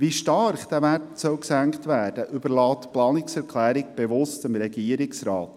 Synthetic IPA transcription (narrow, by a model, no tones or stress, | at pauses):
ʋiʃtɑrχd̥̪æːʋærtsœwksæŋktʋæːd̥əʔʏbəɾlɑːt̪plɑːnɪksɛɾkʰlæːɾɪk̚b̥eʋʊstɪmɾɛɡiəɾɪksɾɑːt